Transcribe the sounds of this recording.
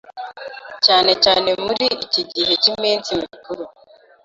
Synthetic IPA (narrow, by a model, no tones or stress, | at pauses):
caːne̞caːne̞muɾiiciɟiɦecimiːnt͡simikuɾu